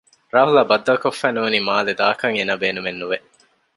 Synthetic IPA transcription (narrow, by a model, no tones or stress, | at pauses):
ɾaːɦulɐbɐd̪ːɐkofːænuːnimaːled̪aːkɐŋenɐbeːnumenːuʋe